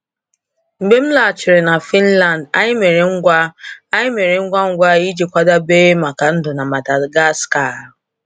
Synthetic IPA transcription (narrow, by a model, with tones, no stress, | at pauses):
ŋ͡m̩˨ɡ͡be˦m̩˦la˨t͡ʃɪ˨ɾe˨na˨fi˦n̩˦la˨n˨da̰˦ɲɪ˦me˨ɾe˨ŋ̩˦ɡʷa˦a˦ɲɪ˦me˨ɾe˨ŋ̩˦ɡʷa˦ŋ̩˦ɡʷa˦i˦d͡ʒi˨kʷa˦da˦beː˦ma˨ka˨n̩˦dʊ˨na˨ma˨ta˨ɡa˦ska˨ɦʊ˨